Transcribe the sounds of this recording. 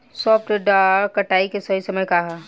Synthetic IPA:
sɔːpʈeɖakɐʈaːikesɐɦisɐməjkaɦɛ

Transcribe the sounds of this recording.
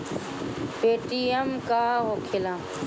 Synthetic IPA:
peːʈiːəmkaːɦoːkʰelãː

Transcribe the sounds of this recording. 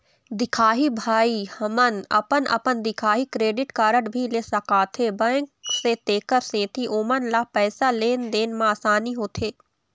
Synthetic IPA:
d̪ɪkʰaːɦibʱaːihɐmənɐ̰pənɐ̰pənd̪ɪkʰaːɦikɾeːɖɪʈkaːɾəɽbʱileːsɐkaːt̪ʰebə̃kset̪eːkəɾsẽːt̪ʰiʔoːmənlapɛːsaleːnd̪eːnmãaːsaːniɦoːt̪ʰeː

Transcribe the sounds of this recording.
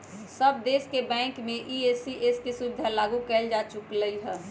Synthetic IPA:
səb̚d̪eːskebɛ̃ːŋkmẽʔiesiʔeskisʊd̪ʱalaːɡukɛːld͡ʒaːt͡ʃʊkləiɦɛ

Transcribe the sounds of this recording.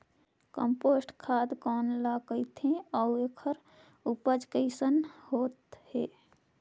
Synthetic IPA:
kəmposʈkʰad̪kɔːnlakəɪt̪ʰẽɔuekʰəɾ | upəd͡ʒkəɪsənhoːt̪he

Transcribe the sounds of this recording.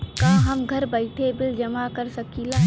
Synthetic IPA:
kaɦɐmɡʱɐɾbəɪʈʰebɪld͡ʒɐmakɐɾsɐkilaː

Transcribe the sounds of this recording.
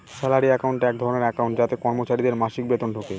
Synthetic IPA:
sɛlaɾiɛkawɳʈɛk̚d̪ʱɔɾoneɾɛkawɳʈd͡ʑat̪ekɔɾmot͡ɕaɾid̪eɾmaʃik̚bet̪onʈʰoke

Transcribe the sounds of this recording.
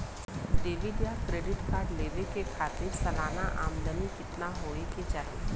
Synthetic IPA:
d̪eːʋid̪jakɾeːɖɪʈkaːɾɖleːʋekekʰaːt̪ɪɾsɐlaːnaʔaːmd̪ənikɪt̪naɦoːɽiket͡ʃaːɾe

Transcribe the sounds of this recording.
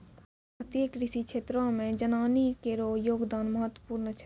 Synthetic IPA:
ət̪eːkɾɪsikʃʰeːt̪ɾõːmẽd͡ʒənaːnikeːɾoːjoːɡd̪aːnməɦət̪ːwəpuːɾnət͡ʃʰɛ

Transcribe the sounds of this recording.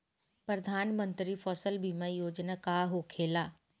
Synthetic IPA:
pɾɐd̪ʱaːnmə̃nt̪ɾifɔːsəlbʱimaijoːd͡ʑnakaɦokʰeːlaː

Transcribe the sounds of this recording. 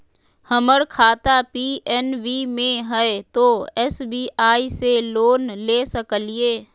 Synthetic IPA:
həməɾkʰaːt̪apiːɛnʋimẽɦɛet̪oːɛsbiːʔaːiseloːnleːsəkəlieː

